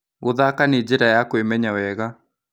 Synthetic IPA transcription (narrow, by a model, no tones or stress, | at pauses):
oðakaned͡ʒeɾajakwemɛɲawɛɣa